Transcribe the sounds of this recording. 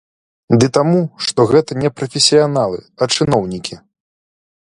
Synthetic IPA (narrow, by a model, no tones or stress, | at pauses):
d̪ɨt̪amuʂt̪ɔɣɛt̪ɐnʲɛpɾɐfʲesʲijanalˠɨ̰ɐt͡ʂɨnɔwnʲikʲi